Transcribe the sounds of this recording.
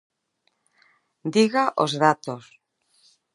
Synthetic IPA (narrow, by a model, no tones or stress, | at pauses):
d̪iɣaʔo̰zðat̪os